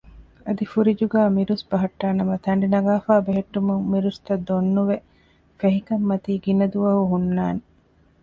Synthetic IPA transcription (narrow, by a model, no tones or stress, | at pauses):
ɐd̪ifuɾid͡ʒuɡæːmiɾusbɐɦɐʈːaːnɐmɐt̪ɐɳ̆ɖinɐɡaːfaːbeɦeʈːumuŋmiɾust̪ɐd̪ːonːuʋe | feɦikɐmːɐt̪iːɡinɐd̪uʋɐɦuɦunːaːne